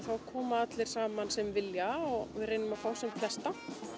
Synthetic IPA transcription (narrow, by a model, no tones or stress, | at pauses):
θawkʰɔːmaat̪lɪɾ̥saːmansɛmvɪljaɔɣvɪðɾreːjnʏmafaːwsɛmflɛst̪an̥t